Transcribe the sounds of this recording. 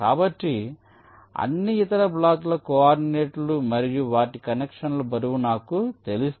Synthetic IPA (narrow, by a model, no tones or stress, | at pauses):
ka̰ːbɐʈːi | ɐ̰nːiːt̪ɐɾɐblaːt̪lɐkɔaːɾɖineːʈlumɐɾijuʋaːʈikɐnekʂɐnlɐbɐɾuʋunaːkut̪e̞lus